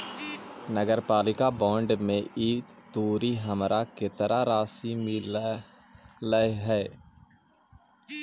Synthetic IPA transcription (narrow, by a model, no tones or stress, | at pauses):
nəɡəɾpaːlɪkabɔ̃ːɳɖmẽʔiːt̪t̪uːɾiɦəmɾʔaket̪əɾʔaɾaːsimil | ləɦɛː